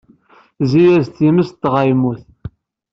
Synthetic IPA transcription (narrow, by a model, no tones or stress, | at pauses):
zijæzt̪iməst̪ːʁajmuθ